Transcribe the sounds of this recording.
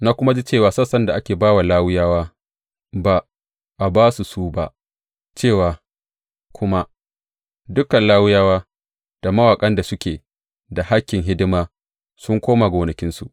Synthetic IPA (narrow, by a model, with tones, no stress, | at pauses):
na˦kʷʊ˦ma˦d͡ʒi˦t͡ʃeː˦˨waː˨sɐ˦sɐ˦nda˨ʔa˦kʲeː˨baː˦wa˨laː˦wʊ˦jaː˦waː˦ | ba˨ | ʔa˨baː˦su˨suː˦ba̰˦ʔ | t͡ʃeː˦˨waː˨ | kʷʰʊ˦ma˦ | dʊ˦kɐ˨nlaː˦wʊ˦jaː˦waː˦ | d̥a˨ma˦waː˨kʼɐ˦nda˨sʊ˦kʲeː˨ | da˨ha˦kʲːɪ˨ŋɦɪ˦dɪ˦maː˦ | sʊ˦ŋkʷoː˦maː˨ɡoː˨nɐ˨kʲɪ˦nsu˨ʔ